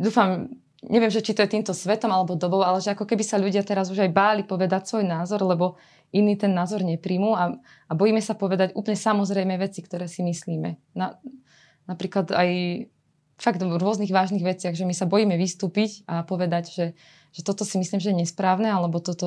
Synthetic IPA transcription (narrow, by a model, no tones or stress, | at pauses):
d̪uːfam | ɲʔɛʋɪɛmʒɛt͡ʃit̪ɔjɛt̪iːmt̪ɔsʋɛt̪ɔmalɛbɔd̪ɔbɔʊalɛʒɛakɔkɛbisaʎuɟɪat̪ɛɾazuʒajbaːlipɔʋɛd̪acsʋɔjnaːzɔɾlɛbɔ | iniːt̪ɛnːaːzɔɾɲɛpɾimuːa | abɔjiːmɛsapɔʋɛd̪aɟʔṵːplɲɛsamɔzɾɛjmɛʋɛt͡sikt̪ɔɾɛːsimisliːmɛ̰na | napɾiːklad̪a̰j | faɡ̚d̪ɾʊɔzniːɣʋaːʒniːɣʋɛt͡sɪaɣʒɛmisabɔjiːmɛʋist̪uːpicapɔʋɛd̪aɟʒɛ | ʒ̥ɛt̪ɔt̪ɔsimisliːmʒɛjɛɲɛspɾaːʊnɛalɛbɔt̪ɔt̪ɔ